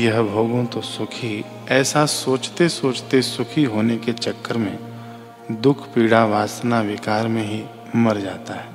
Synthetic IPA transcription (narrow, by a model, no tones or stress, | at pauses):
jɐɦbʱoːɡõt̪osʊkʰi | ɛːsasoːt͡ʃt̪esoːt͡ʃt̪esʊkʰiɦoːneket͡ʃɐkːəɾmẽ | d̪ʊkʰpiːɽaʋaːsnaʋɪkaːɾmẽɦi | mɐɾd͡ʒaːt̪aɦɛː